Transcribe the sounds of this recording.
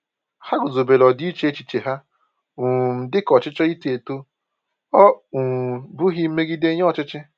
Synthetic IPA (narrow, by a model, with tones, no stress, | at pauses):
ha˦ɡʊ˨zo˨be˨lɔ˨di˦t͡ʃe˦e˦t͡ʃi˨t͡ʃe˨ɦa˦ | u˨m̩˨dɪ˦kɔ˨t͡ʃɪ˦t͡ʃɔ˦i˦te˨to˦ | ɔ˦u˨bʊ˦ɦi˦me˦ɡi˦de˦ɲ˦ɔ˨t͡ʃɪ˦t͡ʃɪ˦